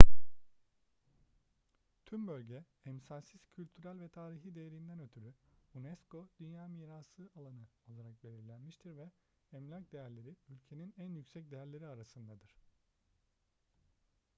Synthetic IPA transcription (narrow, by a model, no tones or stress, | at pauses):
t̪ʰymbølʲɟɛ | ɛmsasiz̥cʰylʲt̪ʰyɾælʲvɛt̪ʰaːɾiɦid̪e̞jeɾind̪ænø̞t̪ʰyɾyunɛsko̞d̪̥ynjaːmiːɾasˠɯʔalˠanɯo̞lˠaɾak̚be̞lʲiɾlʲænmiʃt̪ʰiɾvɛ | ɛmlʲakd̪e̞jæɾlʲe̞ɾiylʲcʰe̞ninænjycʲsɛc̚d̪ejæɾlʲe̞ɾiaɾasɯnd̪ad̪ɯɾ̥